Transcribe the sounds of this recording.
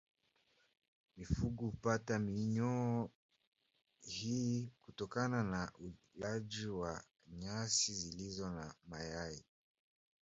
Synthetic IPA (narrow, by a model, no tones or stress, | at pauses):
mifuɡuupatamiɲɔ | hiːkutɔkananaʔu | laʄiwa | ɲasizilizɔnamajai